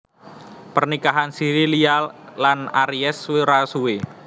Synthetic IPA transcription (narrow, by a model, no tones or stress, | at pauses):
pərnikaɦansiɾiliallanaɾiɛsweɾasuwe